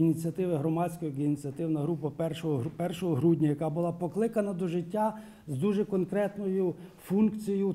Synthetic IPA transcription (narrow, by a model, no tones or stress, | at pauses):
inʲit͡sʲiɐt̪ɪʋɪɦɾɔmɑsʲkɔjiɡinʲit͡sʲɐt̪ɪwnɐɦɾupɐpɛrʃɔɦɔpɛrʃɔɦɔɦɾudʲnʲɐjɐkɑbʊlˠɑpɔklˠɪkɐnɐd̪ɔʒɪtʲːa | zd̪uʒɛkɔnkɾɛt̪nɔjʊfunkt͡sʲijʊ